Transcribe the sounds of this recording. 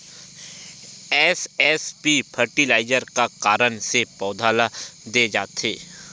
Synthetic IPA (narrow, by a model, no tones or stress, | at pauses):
ɛːsɛːspipʰəɾʈilaːɪd͡ʒəɾkakaːɾənsepɔːd̪ʱaːlad̪ed͡ʒa̰ːt̪eː